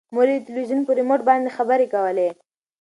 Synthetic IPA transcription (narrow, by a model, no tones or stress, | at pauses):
moɾit̪ɪlwizunpoɾemoʈ̚bɑnd̪exabəɾekawəle